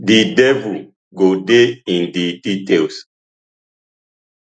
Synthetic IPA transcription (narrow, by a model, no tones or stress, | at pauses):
didɛvul | ɡodeĩndiditels